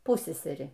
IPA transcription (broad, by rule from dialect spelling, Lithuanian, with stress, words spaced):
ˈpʊsʲsʲɛsʲɛrʲɪ